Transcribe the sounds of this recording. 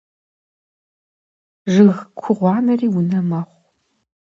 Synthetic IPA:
ʒɨɣkʷʰʊʁʷɑːnɐriːwʊnɐmɐχʷ

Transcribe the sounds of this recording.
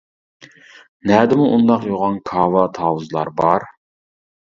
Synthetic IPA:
nɛd̪ɪmuʔund̪ɑqjoʁɑnkʰɑːwɑt̪ʰɑːwuzlˠɑ̰ɾbɑɾ

